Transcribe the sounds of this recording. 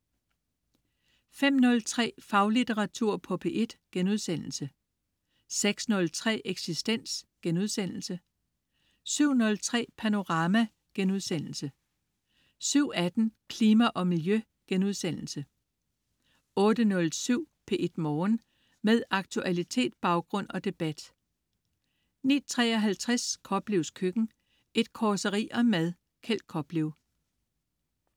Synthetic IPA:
fem̰nɔ̽lt͡sʰʁɛ̰ːfɑ̈ʊlit͡seʁɑ̈t͡sʰuɐ̰pʰɒ̽pʰe̝ʔe̝d̥ɡ̥enuð̞ˠsen̰l̩sə | seɡ̥snɔ̽lt͡sʰʁɛ̰ːʔeɡ̥sisd̥en̰sɡ̥enuð̞ˠsen̰l̩sə | syʊ̰nɔ̽lt͡sʰʁɛ̰ːpʰæno̝ʁɑ̈mæ | ɡ̥enuðˠsen̰l̩sə | syʊ̰æd̥n̩kʰliːmæʔɒ̽miljø | ɡ̥enuð̞ˠsen̰l̩sə | ɔ̽ːd̥ənɔ̽lsyʊ̰pʰe̝ʔe̝d̥mɒːn | með̞ˠɑ̈ɡ̥t͡sʰuʔælit͡sʰe̝̰ːd̥̚b̥ɑ̈ʊɡ̥ʁɔ̽n̰ɒ̽d̥e̝b̥æd̥ | nḭːt͡sʰʁɛ̰ːɒ̽ɦælt͡sʰʁɛskʰɒ̽b̥liʊskʰøɡ̥n̩ | e̝d̥̚kʰɒːsəʁḭːʔɒ̽mæðˠ | kʰel̰̥̚kʰɒ̽b̥liʊ

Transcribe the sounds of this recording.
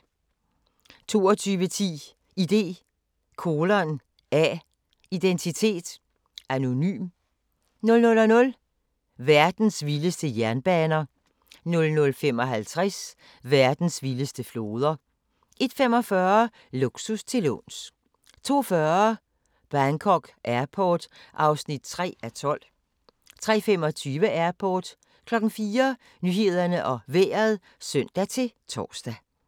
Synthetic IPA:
t͡sʰo̝̰ːɒt͡sʰyːʋət͡sʰḭː | id̥e̝̰ː | kʰo̝ːlɐn | ɛ | id̥ent͡sʰit͡sʰe̝̰ːd̥ | æno̝ny̰ːm | nɔ̽lnɔ̽lɒnɔ̽l | ʋæɐd̥n̩sʋiləsd̥əjæɐnb̥ɛːnɐ | nɔ̽lnɔ̽lfem̰ɒ̽ɦælt͡sʰʁɛs | ʋæɐd̥n̩sʋiləsd̥əflo̝ːð̞ˠɐ | ʔe̝d̥femɒ̽fɶɐ | loɡ̥sust͡sʰe̝lo̰ns | t͡sʰo̝̰ːfɶɐ | b̥ʁankʰɒɡ̥ʔæɐpʰɒːd̥ʔɑ̈ʊsnid̥̚t͡sʰʁɛ̰ːæt͡sʰɒ̽l̰ | t͡sʰʁɛ̰ːfem̰ɒ̽t͡sʰyːʋəʔæɐpʰɒːd̥ | kʰlɒ̽ɡ̥n̩fiːɐ | nyhe̝ð̞ˠɐnəʔɒ̽ʋḛːɐð̩ˠ | sœn̰d̥æt͡sʰe̝t͡sʰɒ̰ːsd̥æ

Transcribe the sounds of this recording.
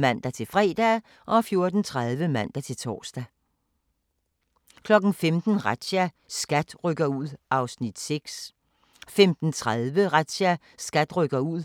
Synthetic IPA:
mæn̰d̥æt͡sʰe̝lfʁɛ̰ːd̥æ | ʔɒ̽fjo̝ɐd̥n̩t͡sʰʁað̞ˠʋəmæn̰d̥æt͡sʰe̝lt͡sʰɒ̰ːsd̥æ | kʰlɒ̽ɡ̥n̩femd̥n̩ʁḁæ | sɡ̥æd̥ʁœɡ̥ɐuð̞̰ˠɑ̈ʊsnid̥seɡ̥s | femd̥n̩t͡sʰʁaðˠʋəʁad̥ɕæ | sɡ̥æd̥ʁœɡ̥ɐuð̰ˠ

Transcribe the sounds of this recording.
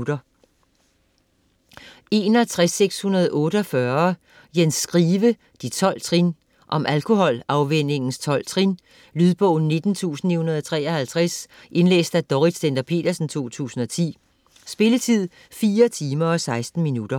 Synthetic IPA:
ɾɐ | e̝nhæt͡sʰʁasːeɡ̥shunɐð̞̩ˠʔɔ̽ːɾəɒ̽fɶɐ | jensɡ̥ʁiːʋə | d̥it͡sʰɒ̽l̰t͡sʰʁin | ʔɒ̽mʔælkʰo̝hɒ̽lɑ̈ʊʋen̰e̝ŋn̩st͡sʰɒ̽l̰t͡sʰʁin | lyðˠb̥ɔ̽ʊ̰n̩ːe̝d̥n̩t͡sʰṵːsn̩ihunɐð̞ˠɒt͡sʰʁɛ̰ːɒhælt͡sʰʁas | ʔe̝nlḛːsd̥æd̥ɒʁi̥send̥ɐpʰe̝̰ːd̥ɐsn̩t͡sʰo̝̰ːt͡sʰṵːsn̩ɒ̽t͡sʰḭː | sb̥e̝lət͡sʰið̞̰ˠ | fiːɐt͡sʰiːmɐɒ̽sɑ̈ɪsd̥n̩minud̥ɐ

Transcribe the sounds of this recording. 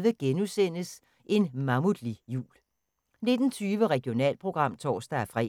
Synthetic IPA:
ʋəɡ̥enusen̰əs | ʔe̝nmɑ̈muðˠlijṵːl | ne̝d̥n̩t͡sʰyːʋəʁɛɡ̥ijo̝nɛ̰ːlpʰʁo̝ɡ̥ʁɑ̈m̰t͡sʰɒ̰ːsd̥ɐæɐfʁɛ̰

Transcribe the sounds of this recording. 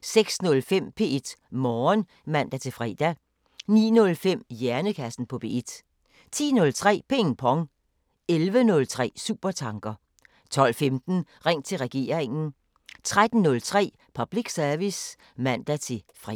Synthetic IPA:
seɡ̥snɔ̽lfem̰pʰe̝̰ːe̝d̥mɒːn | mæn̰d̥æt͡sʰe̝fʁɛ̰ːd̥æ | nḭːnɔ̽lfem̰jæɐnəkʰæsn̩pʰɒ̽b̥e̝̰ːed̥ | t͡sʰḭːnɔ̽lt͡sʰʁɛ̰ːpʰeŋn̩pʰɒ̽ŋ | elʋənɔ̽lt͡sʰʁɛ̰ːsṵːb̥ɐt͡sʰɑ̈ŋɡ̥ɐ | t͡sʰɒ̽l̰femd̥n̩ʁeŋ̰t͡sʰe̝lʁɛɡ̥e̝̰ːɐʁeŋn̩ | t͡sʰʁad̥n̩ːɔ̽lt͡sʰʁɛ̰ː | pʰɒb̥liɡ̥sæɐʋis | mæn̰d̥æt͡sʰe̝ | fʁ

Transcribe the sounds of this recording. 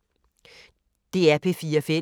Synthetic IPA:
d̥e̝ːæɐpʰe̝fiːɐfe

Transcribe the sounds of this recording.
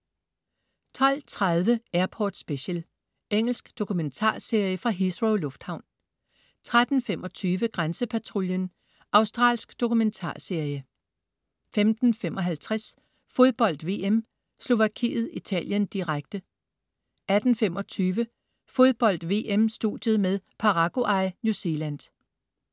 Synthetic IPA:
t͡sʰɒl̰t͡sʰʁaðˠʋəæɐpʰɒ̰ːd̥sb̥e̝ɕəl | eŋ̰l̩sɡ̥d̥o̝kʰument͡sʰɑ̰̈ːse̝ɐ̰jəfʁɑ̈ɦisʁoʊlɔ̽fd̥hɑ̈ʊ̰n | t͡sʰʁad̥n̩femɒ̽t͡sʰyːʋəɡ̥ʁansəpʰæt͡sʰʁuljən | ʔɑ̈ʊsd̥ʁɑ̰̈ːlsɡ̥d̥o̝kument͡sʰɑ̰̈ːse̝ɐjə | femd̥n̩femʔɒ̽ɦælt͡sʰʁas | fo̝ð̞ˠb̥ɒ̽l̰d̥ʋe̝̰ːʔem | slo̝ʋækʰḭːð̞̩ˠit͡sʰɛ̰ːl̰jənd̥iʁaɡ̥d̥ə | ʔæd̥n̩fem̰ɒ̽t͡sʰyːʋə | fo̝ð̞ˠb̥ɒ̽l̰d̥ʋe̝̰ʔemsd̥ṵd̥jəðˠmeðˠpʰɑ̈ʁɑ̈ɡ̥o̝ʔɑ̈ɪnjuse̝læn̰d̥

